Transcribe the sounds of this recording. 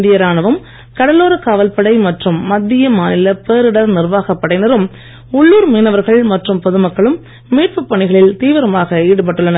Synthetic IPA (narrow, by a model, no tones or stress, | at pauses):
d̪ɪjɐɾaːnɐʋɯm | kɐɽɐlːoːɾɐkaːʋɐlpɐɽɐɪmɐʈrɯmːɐd̪ːɪjɐmaːnɪlɐpeːɾɪɽɐnɪrʋaːɣɐpːɐɽɐɪnɐɾɯm | ʊɭːuːɾmiːnɐʋɐɾɣɐɭmɐʈrɯmpɔðɯmɐkːɐɭɯmː | eːʈ̚pɯpːɐɳɪɣɐɭɪlt̪iːʋɐɾɐmaːɣɐeːɽɯp̬ɐʈːɯɭːɐnɐ